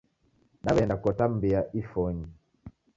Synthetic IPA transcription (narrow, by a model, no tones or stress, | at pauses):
naβɛndakɔtam̩biaʔifɔɲi